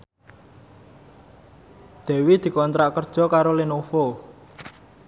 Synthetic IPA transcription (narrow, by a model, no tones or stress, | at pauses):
d̪̥e̤wid̪̥i̤kɔnt̪ɾaʔkərd̥ʒ̥ɔ̤kaɾolinofo